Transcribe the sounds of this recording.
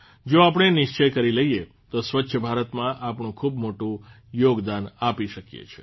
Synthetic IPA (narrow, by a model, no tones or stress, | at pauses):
d͡ʒoapɽ̃enɪʃt͡ʃəjkəɾiləɦije | t̪osʋətːʃʰəbʱaɾət̪mãʔapɳũkʰubmoʈũ | joɡd̪anapiʃəkjḛt͡ʃʰe̥